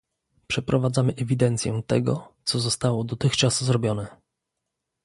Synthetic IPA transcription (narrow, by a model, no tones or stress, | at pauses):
pʂɛpɾɔvad̪zamɘʔɛvʲid̪ɛnt̪sʲjɛ̰̃t̪ɛɡɔ̰t̪sɔzɔst̪awɔd̪ɔt̪ɘxt͡ʂaszɾɔbʲjɔnɛ